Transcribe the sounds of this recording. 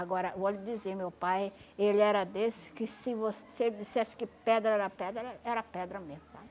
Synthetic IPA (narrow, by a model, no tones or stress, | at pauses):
aɡɔɾɐvolɪd͡ʒizeɾmewpajelɪɛɾɐd̪esɪ̥kɪsɪvosesed͡ʒisɛsɪ̥kɪpɛd̪ɾɐɛɾɐpɛd̪ɾɐɛɾɐpɛd̪ɾɐmeʊt̪a